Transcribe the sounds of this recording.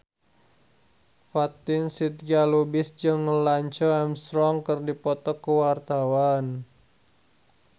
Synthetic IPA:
fat̪ɪnsit̪̚ɡalubɪsd͡ʒəŋːəlaɲt͡ʃɔɛmst̪ɾɔŋkərdipɔt̪ɔkəwart̪awan

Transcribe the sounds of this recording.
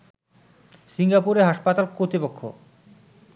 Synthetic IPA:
siŋɡapuɾeɦaʃpat̪alkot̪ipokʰːo̰

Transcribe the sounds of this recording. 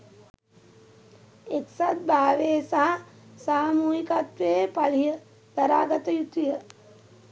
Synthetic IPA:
eksat̪̚bʱaːʋeːsaɦɐsaːmuːɦikat̪ʋeːpalijə | d̪̥ɐɾaːɡət̪əjut̪ijə

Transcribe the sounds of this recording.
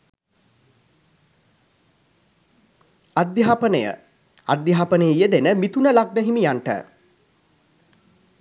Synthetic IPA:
ad̪jaapənəjə̰ | a̰d̪jaɦaːpənəjəjəd̪enəmit̪unəlaɡ̚nəɦimijaɳʈə̰

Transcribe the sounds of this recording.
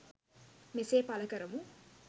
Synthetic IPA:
meseːpalɐkəɾəmu

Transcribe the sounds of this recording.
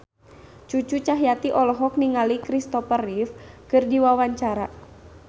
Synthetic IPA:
t͡ʃut͡ʃut͡ʃaɦjat̪iʔɔlɔɦɔk̚niŋalikɾist̪ɔfərifkɨrdiwawaɲt͡ʃaɾa

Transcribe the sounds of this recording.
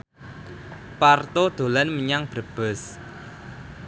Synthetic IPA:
part̪od̪̥o̤lanməɲaŋb̥ɾəb̥əs

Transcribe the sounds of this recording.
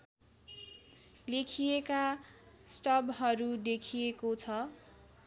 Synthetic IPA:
lekʰijekasʈʌbɦʌɾud̪ekʰijekot͡sʰʌ

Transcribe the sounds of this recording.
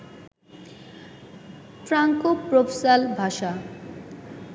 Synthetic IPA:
tɾaŋkopɾopʰesalbʱaʃa

